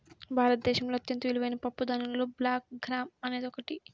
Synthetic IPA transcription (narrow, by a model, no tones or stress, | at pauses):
bʱaːɾɐt̪̚d̪ɛːʃɐmloːɐt̪jɐnt̪ɐʋiliʋɐjinɐpɐpːud̪anunloːblaːk̚ɡɾaːmɐne̞ːd̪ɔkɐʈi